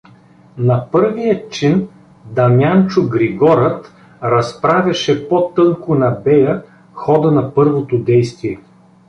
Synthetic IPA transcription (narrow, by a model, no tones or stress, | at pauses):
nɐpɤɾvijət͡ʃin | d̪ɐmjant͡ʃʊɡɾiɡɔɾət̪ | ɾɐspɾavʲjɐʃɛpot̪ɤnkonɐbɛjə | xɔd̪ənɐpɤɾvot̪od̪ɛjst̪viɛ